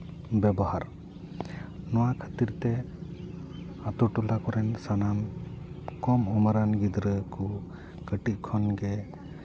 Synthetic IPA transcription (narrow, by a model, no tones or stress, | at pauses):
bɛbɔhaɾ | nɔwakʰət̪iɾt̪ɛ | at̪ɔʈulakɔɾɛnsanam | kɔmɔmaɾanɡid̪ɾəkʰɔ | kəʈiʔ̚kʰɔnɡɛ